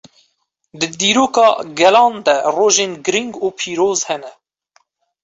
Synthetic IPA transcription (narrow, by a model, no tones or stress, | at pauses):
d̪ɨd̪iːɾoːkɑ̰ːɡɛlɑːnd̪ɛroːʒeːnɡɨɾiŋɡuːpʰiːɾoːzhɛnɛ